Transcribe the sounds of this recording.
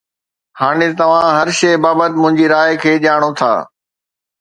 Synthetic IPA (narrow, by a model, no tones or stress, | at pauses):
haːɽ̃et̪ɐʋ̤ãɦɐɾʃɐːbaːbət̪ɪmʊ̃ɦɪ̃ɲd͡ʑiɾaːɪkʰeːʄaːɽ̃ot̪ʰa̰ː